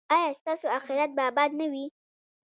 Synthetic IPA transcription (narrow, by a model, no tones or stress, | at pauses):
ɑjɑst̪ɑsoaxɪɾjat̪̚babɑd̪nawi